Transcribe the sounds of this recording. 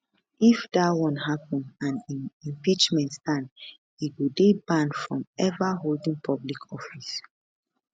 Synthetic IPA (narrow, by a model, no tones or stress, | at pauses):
ifdawɔ̃nɦapɔ̃nãnĩnĩmpit͡ʃmɛ̃ntstãn | iɡudebãnfɹɔ̃mɛvaɦoldĩŋpʰɔblikʰɔfis